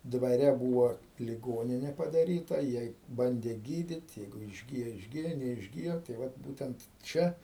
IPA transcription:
dʋɐˈrʲɛ ˈbuːʋoː lʲɪˈɡoːnʲɪnʲɛ pɐdɐˈrʲiːtɐ ˈjiɛj ˈbɐnʲdʲeː ˈɡʲiːdʲiːtʲ ˈjɛɪɡʊ ɪʒʲˈɡʲɪjoː ɪʒʲˈɡʲɪjoː nʲɛɪʒʲˈɡʲɪjoː tɐɪ ˈʋɐt ˈbuːtʲɛnt ˈt͡ʃʲɛ

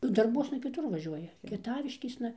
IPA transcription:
ˈnʊ dɐrˈbuɔsnɐ kʲɪˈtʊr ʋɐˈʒʲuɔjɛ kʲiɛˈtɑːʋʲɪʃʲkʲeːsnɐ

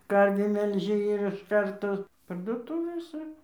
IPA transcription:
ˈkɐrʲʋʲiː mʲɛlʲˈʒʲɪ ɪr ɪʃ ˈkɐrtoː pɐrduɔˈtʊʋʲeːsʲɛ

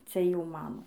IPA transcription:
ˈt͡sʲɛ ˈjɛʊ ˈmɑːnoː

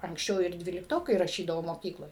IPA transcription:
ɐŋksʲˈt͡ʃʲɛʊ ɪr ˈdʲʋʲiːlʲɪktoːkɐɪ rɐˈʃʲiːdɐʋoː moːˈkʲiːklˠoːj

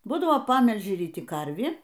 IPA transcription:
ˈbuːdɐʋoː ˈpɑːmʲɛlʲʒʲɪ rʲiːˈtʲɪ ˈkɐrʲʋʲiː

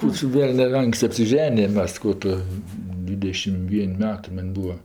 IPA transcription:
ˈkuː t͡ʃʲɛ ˈʋʲɛlʲnʲɛ ˈɐŋksʲtʲɪ ɐpʲsʲɪˈʒʲæːnʲɪjɛm ˈmʲɛs ˈkuː tʊ ˈdʲʋʲɪdʲɛʃʲɪm ˈʋʲiɛnʲ ˈmʲæːtɜ ˈmɐnʲ ˈbuːʋɐ

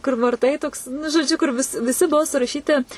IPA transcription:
kʊr ʋɐrˈtɐɪ toːks nʊ ʒoːˈd͡ʒʲʊ kʊr ʋʲɪs ʋʲɪˈsʲɪ ˈbʊʋoː sʊrɐˈʃʲiːtʲɪ

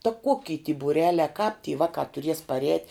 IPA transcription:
tɐ ˈkoːkʲɪ tʲiː buːˈrʲæːlʲæː kɑːp tʲiː ˈʋɑːkɑː tʊˈrʲiɛs pɐˈrʲɛːtʲ

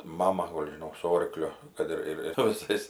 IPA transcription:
ˈmɑːmɐ ˈɡoːlʲ ʒʲɪˈnoːk sʊ ˈoːrklʲʊ ˈkɐt ɪr ɪr sʊ ʋʲɪˈsɐɪs

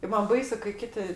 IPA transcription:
ˈmɐn ˈbɐɪsʊ kɐɪ ˈkʲɪtʲɪ

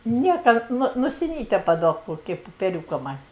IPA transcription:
ˈnʲiɛkɐ ˈnʊ nʊsʲɪˈnʲiːtʲɛ pɐˈduɔk ˈkoːkʲɪ pʊpʲɛˈrʲuːkɐ mɐnʲ

